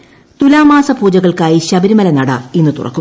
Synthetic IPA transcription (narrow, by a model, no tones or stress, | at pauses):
t̪ulaːmaːsɐbʱuːd͡ʑɐɣɐɭkaːjiɕɐbɐɾimɐlɐnɐɽɐ̰enːɨt̪urɐ̰kːu